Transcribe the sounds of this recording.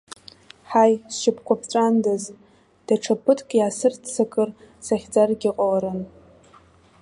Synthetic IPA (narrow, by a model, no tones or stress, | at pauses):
ħajsʃɪpʰkʷʰapʰʈ͡ʂʼandaz | d̥aʈ͡ʂʰapʰɨtʰkʲʼjaːsɨrtʰt͡sʰakʼɨr | saχʲd͡zarɡʲɪqʼawaɾɨn